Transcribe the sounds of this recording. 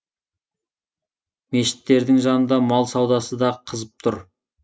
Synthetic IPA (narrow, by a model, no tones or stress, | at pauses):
me̞ʃɪ̥t̪ːe̞ɾd̪ɪŋʒɑnənd̪ɑmɑlˠsɑwd̪ɑsəd̪ɑqʰəzəp̚t̪ʰʊɾ